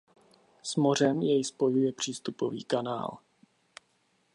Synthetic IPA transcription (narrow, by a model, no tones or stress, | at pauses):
smo̞r̝ɛmjɛjspo̞jujɛpr̝̥iːst̪upo̞vḭːkana̰ːl